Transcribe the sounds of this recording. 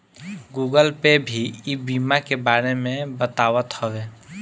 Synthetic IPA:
ɡuɡəlpebʱiibimakebaɾemẽbət̪awət̪həwe

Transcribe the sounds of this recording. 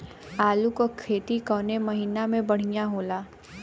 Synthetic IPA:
aːlukokʰːeːt̪ikɔːnemɐɦiːnamẽbɐɽ̤ijaɦoːlaː

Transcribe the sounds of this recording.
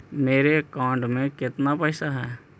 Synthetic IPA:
meːɾekãːɳɖmẽkɪt̪napəɪsaɦɛː

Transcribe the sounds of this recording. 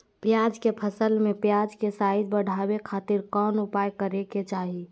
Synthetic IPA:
pjaːd͡ʒkepʰəsəlmẽpjaːd͡ʒkesaːid̪̚bəɽ̤ʱabekʰaːt̪ɪɾkɔːnʊpaːjkəɾeket͡ʃaːɦi

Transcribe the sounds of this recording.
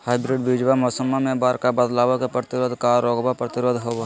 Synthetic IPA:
haːɪbɾɪɖbiːd͡ʒʋamoːsəmːamẽbaːɾkabəd̪laːʋakepɾət̪ɪɾoːd̪ʱkaːɾːoːɡbapɾət̪ɪɾoːd̪ɦoːb

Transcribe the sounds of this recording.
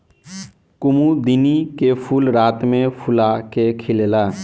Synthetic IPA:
kʊmud̪ɪnikepʰuːlɾaːt̪mẽpʰʊlakekʰɪlelaː

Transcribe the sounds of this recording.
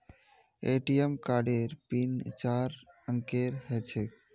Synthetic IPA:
eːʈijemkaːɖeɾpint͡ʃaːɾ | əŋkeɾhɛt͡ʃʰek

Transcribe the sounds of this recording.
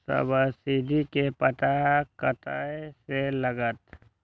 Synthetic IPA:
sə̰bəsiːd̪ʱikepət̪akət̪aːeseləɡət̪

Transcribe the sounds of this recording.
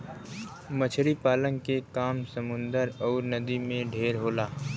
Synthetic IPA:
mət͡ʃʰɾipaːlə̃ŋɡkekaːmsɐmʊ̃nd̪əɾɔːɾnɐd̪imẽɖʱeːɾɦoːlaː

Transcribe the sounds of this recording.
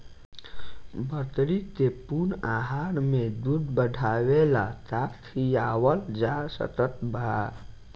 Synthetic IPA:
bət̪ɾit̪epunaɦaɾmed̪ud̪bəɖʱawela̰t̪akt̪ʰijawəld͡ʒasə̰t̪ət̪bʱa

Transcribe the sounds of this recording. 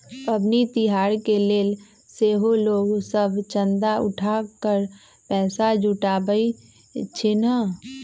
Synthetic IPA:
pəbnit̪ɪɦaːɾkeleːl | seːɦoloːɡsəbt͡ʃə̃nd̪aʊ̰ʈʰaːkəɾ | pɛːsad͡ʒʱʊʈaːbəi | t͡ʃʰɪnə

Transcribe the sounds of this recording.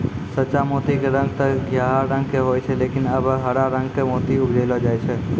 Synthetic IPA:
sət͡ʃamot̪ikeɾə̃ŋɡ̚t̪əɡʱjaɦaɾə̃ŋɡkeɦojt͡ʃʰɛlekinəbɦəɾaɾə̃ŋɡkemoːt̪iʊbd͡ʒəɪlɔd͡ʒaːjt͡ʃʰɛ

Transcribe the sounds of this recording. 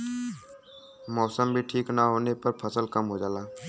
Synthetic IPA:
mɔːsəmbʱiʈʰiːknaɦoːnepəɾpʰəsəlkɐmɦoːd͡ʒaːlaː

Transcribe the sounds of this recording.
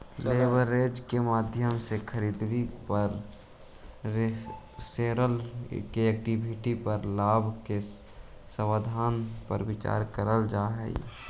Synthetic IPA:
leːbəɾeːd͡ʒkemaːd̪ʱjəmsekʰəɾiːd̪ʋipəɾ | seːɾəlkeɛk̚ʈibʱɪʈipəɾlaːbʱke | səwaːd̪ʱaːnpə̰ɾwɪt͡ʃa̰ːɾkəɾəld͡ʒaːɦɛ̰ḭ

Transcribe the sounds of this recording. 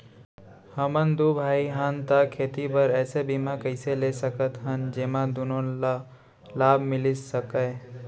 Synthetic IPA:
həmənd̪ubʱaːiɦənt̪akʰeːt̪ipəɾɛːsebimãkəɪselesəkət̪ɦənd͡ʒeːmãd̪unõa | laːbʱmɪlissəkəe

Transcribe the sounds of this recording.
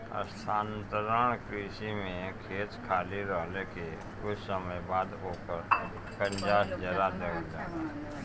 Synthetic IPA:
ə̰st̪ʰaːnt̪əɾəɳ̃kɾiːʃimẽkʰeːt͡ʃkʰaːliɾɔːleke | kʊt͡ʃʰsəməjbaːd̪oːkəɾ | kə̃ɲd͡ʒaːsd͡ʒəɾad̪eːd͡ʒaːa

